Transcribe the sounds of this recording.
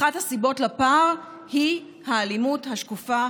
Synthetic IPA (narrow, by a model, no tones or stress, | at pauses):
athasibo̞tlapaʁhi | haːlimuthaʃkufa